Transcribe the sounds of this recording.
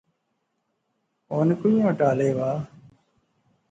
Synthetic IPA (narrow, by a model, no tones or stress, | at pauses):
oːnkʊiãːʈaːleːʋaː